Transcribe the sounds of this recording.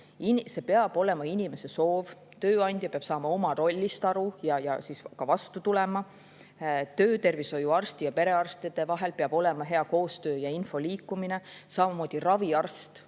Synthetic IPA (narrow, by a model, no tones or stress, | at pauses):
inse̞peɑb̥o̞le̞mɑinʲime̞se̞so̞ːv | t̪øːɑnʲd̪̥jɑpeɑb̥sɑːmɑo̞mɑɾo̞lʲːist̪ɑɾujɑjɑsiskɑvɑst̪ut̪ule̞mɑ | t̪øːt̪e̞rviso̞juɑrst̪ijɑpe̞ɾe̞ɑrst̪id̪̥e̞vɑɦelpeɑb̥o̞le̞mɑɦe̞ɑko̞ːst̪ø̞ːjɑinfo̞liːkːˑumine̞sɑmɑmo̞ːd̪̥irɑviɑrst̪